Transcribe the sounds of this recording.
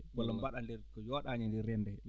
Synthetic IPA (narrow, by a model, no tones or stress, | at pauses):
ɓalɔmbaɗandɛɾkɔjɔːɗaɲandɛrɛndɛ